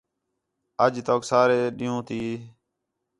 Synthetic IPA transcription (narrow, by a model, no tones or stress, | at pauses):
əd͡ʒt̪oːksaːɾeːɗɪjũːt̪iː